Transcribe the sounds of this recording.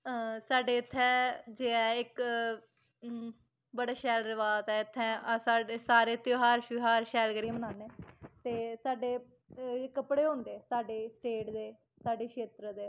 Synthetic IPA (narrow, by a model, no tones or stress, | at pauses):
saːɖeːɪt̪ʰːɛ̃ːd͡ʒeːɛːɪk | bəɽaːʃɛːlɾɪʋaːzɛːɪt̪ʰːɛ̃ːsaːɖeːsaːɾeːt̪joːɦaːɾʃɦaːɾʃɛːlɡəɾiːmənaːneːt̪eːsaːɖeː | kəpɽeːɦõːnd̪eːsaːɖeːsʈeːʈd̪eː | saːɖeːkʃʰeːt̪ɾəd̪eː